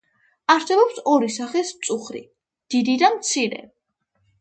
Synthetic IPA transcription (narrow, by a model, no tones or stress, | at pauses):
aɾsɛbɔpsɔɾisaχɛsmt̪sʼuχɾḭ | d̪̥id̪id̪amt̪sʰiɾɛ̰